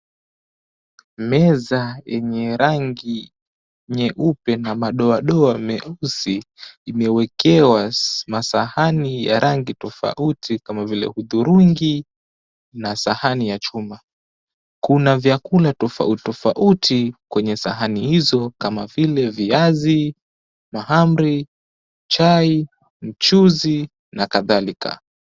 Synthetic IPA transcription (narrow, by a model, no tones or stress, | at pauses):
mɛzajɛɲɛɾaŋɡi | ɲɛʔupɛnamaɗɔaɗɔamɛʔusiːmɛwɛkʰɛwamasahanija̰ɾʔaŋɡitɔfa̰ʔutʰikamavilɛ̰huðuɾuŋɡi | nasahanijat͡ʃuma | kunavjakulatɔfa̰utɔfaʔutʰikwɛɲɛsaɦanihizɔkamavilɛviazi | maham̩ɾi | t͡ʃai | m̩t͡ʃuzi | nakaðalika̰